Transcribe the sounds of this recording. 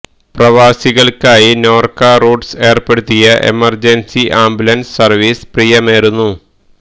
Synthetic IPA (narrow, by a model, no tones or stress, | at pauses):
prɐʋaːsiɣɐɭkaːjino̞ːrkaːruːɖse̞ːrpeɽut̪ːijɐʔe̞̰mɐrd͡ʑensiʔaːmbulɐnssɐrʋisprijɐmeːɾunːu